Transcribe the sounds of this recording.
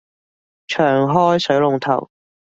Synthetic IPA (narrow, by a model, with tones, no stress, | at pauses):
t͡ʃʰœː˨˩ŋɦɔː˥jsɵ˨˥ɥlʊ˨˧ŋt̪ʰɐ̰˨˩w